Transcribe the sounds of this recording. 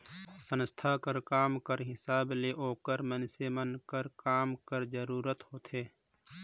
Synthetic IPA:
sə̃nst̪ʰakəɾkaːmkəɾɦɪsaːbleʔoːkəɾmənsemənkəɾkaːmkəɾd͡ʒəɾuːɾət̪hoːt̪ʰɦeː

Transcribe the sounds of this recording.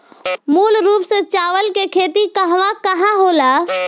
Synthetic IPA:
muːlɾuːpsẽt͡ʃaːʋəlkekʰeːt̪ikəɦʋakəɦãɦola

